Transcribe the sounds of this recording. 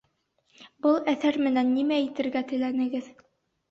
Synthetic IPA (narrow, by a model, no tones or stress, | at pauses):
bɤlˠæθæɾmɘ̆nænːimæit̪ɘ̆ɾɡæt̪ɘ̆lænɘ̆ɡɘð